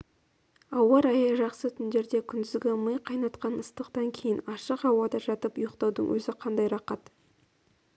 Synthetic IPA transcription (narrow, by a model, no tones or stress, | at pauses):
ɑwɑɾɑjəʒɑqsət̪ʰʏnd̪e̞ɾd̪e̞kʲʰʏnd̪ɪzɡʲeməjqʰɑjnɑt̪qɑnəst̪əqt̪ɑŋkʲʰe̞jɪnɑʃəqɑwɑd̪ɑʒɑt̪əpʊjəqt̪ɑwd̪ə̰ŋwɵzɪqʰɑnd̪ɑjɾɑqɑt̪